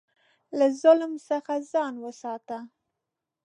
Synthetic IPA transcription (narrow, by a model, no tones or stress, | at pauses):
lazʊlmsəxazɑnwəsɑt̪a